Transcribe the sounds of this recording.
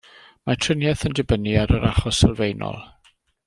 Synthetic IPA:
matʰrɪnjɛθəndɪbəniaɾəɾaχɔsɛlˠvejnɔ̰lˠ

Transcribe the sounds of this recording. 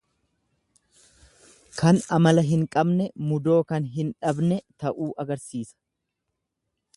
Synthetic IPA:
kʰɐnɐmɐlɐɦɪŋkʼɐbnɛmʊd̪o̞ːkɐnɦɪnᶑɐbnɛt̪ɐʔuːʔɐɡɐɾsiːsɐ̥

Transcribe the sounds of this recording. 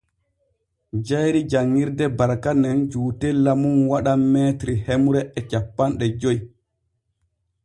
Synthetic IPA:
d͡ʒajɾid͡ʒaŋːiɾdɛbaɾkanɛnd͡ʒuːtɛlamunwaɗamːɛːtɾihemuɾɛɛt͡ʃapːanɗɛd͡ʒoj

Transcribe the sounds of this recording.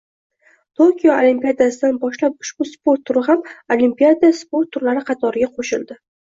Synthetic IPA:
t̪ʰokʲijoolimpijad̪asɪd̪anbɒʃlap̚ʊ̥ʃbʊspo̞ɾt̪ʰːʊɾɪɦamolimpʲiad̪iaspo̞ɾt̪ʰːʊɾlaɾɪqʰɑt̪ʰɒɾɪɡʲaqʰoʃɪnd̪ɪ

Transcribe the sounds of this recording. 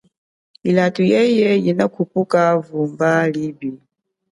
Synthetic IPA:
ilatʼujɛjɛjinakʰupʼukʼavumbalibi

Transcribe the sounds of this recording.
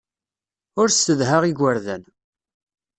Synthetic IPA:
ʊɾst̪əðɦaʁiɡʷːəɾðæn

